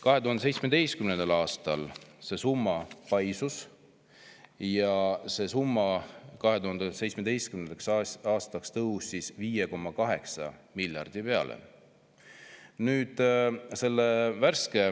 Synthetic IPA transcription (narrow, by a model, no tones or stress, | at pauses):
kɑɦe̞t̪uhɑnd̪esejtsmed̪e̞jst̪kymnend̪̥ɑlɑːst̪ɑlse̞sumːɑpɑjsus | jɑse̞ːsumːɑkɑɦe̞t̪uhɑnd̪̥ese̞jt̪t͡ssmed̪e̞jst̪kymneneksɑːst̪ɑkst̪ɤhusːisviːjeko̞mːɑkɑɦe̞ksɑ̰milʲjɑ̰rd̪̥ipe̞ɑ̰lḛ | nyːd̪̥se̞lːevæɾske